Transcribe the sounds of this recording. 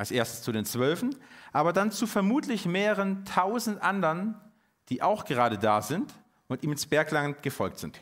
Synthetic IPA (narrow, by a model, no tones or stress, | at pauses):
ʔalsʔeːɐstəst͡sudeːnt͡sv̥œlfn̩ʔaːbɐdant͡sufɛɐmuːtʰlɪçmeːʁəʁ̞əntʰaʊzn̩tʔandəɐn | d̥iːʔaʊxɡ̥əʁaːɾədaːzɪnt | ʔʊntʔiːmɪnsb̥ɛɐklaŋnɡ̥əfɔlk̚tz̥ɪnt